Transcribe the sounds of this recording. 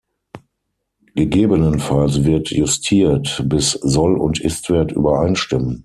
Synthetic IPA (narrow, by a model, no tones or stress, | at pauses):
ɡ̥əɡeːbənənfalsvɪɐtjʊstʰiːɐtbɪszɔlʊ̰ntʰʔɪ̰stv̥ɛːɐtʔy̰ːbɐʔaɪnʃtɪmən